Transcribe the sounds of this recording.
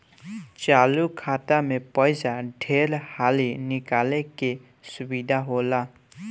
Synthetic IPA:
t͡ʃaːlukʰat̪amepəjsaɖʱeɾhaːlinɪkaleke | sʊbid̪ʱaɦola

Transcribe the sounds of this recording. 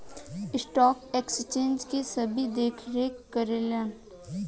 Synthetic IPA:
ɪsʈɔːkekst͡ʃẽːnd͡ʒkesɐbʱid̪eːkʰɾeːkːɐɾelẽn

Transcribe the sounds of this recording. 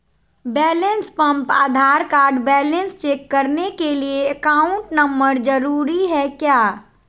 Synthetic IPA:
bɛːlẽnspə̃mpa̰ːd̪ʱaːɾkaːɾɖbɛːlẽnst͡ʃeːkːəɾnekelieəkaːʊʊ̃ɳʈnəmbəɾd͡ʒəɾuːɾiɦɛkjaː

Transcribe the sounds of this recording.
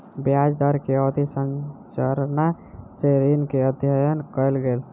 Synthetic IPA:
bjad͡ʒd̪əɾkeɔd̪isənt͡ʃəɾna | seɾinkeəd̪ʱjəjənkəɪlɡel

